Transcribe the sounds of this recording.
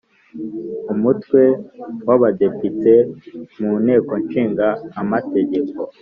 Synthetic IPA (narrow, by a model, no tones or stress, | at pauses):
umutwe̞waβade̞pitemuːn̥he̞ːko̞nʃiːŋɡaːmate̞ɟe̞ko